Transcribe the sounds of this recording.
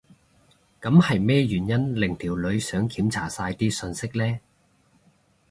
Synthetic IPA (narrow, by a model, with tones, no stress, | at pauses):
kɐ˨˧˥mhɐ˨jmɛː˥jyː˨˩njɐ˥nlɪ˨˩ŋt̪ʰiː˨˩wlɵ˨˧ɥsœː˨˥ŋkʰiː˨˥mt͡sʰaː˨˩saː˧jt̪iː˥sɵ˧nsɪ˥k̚lɛː˥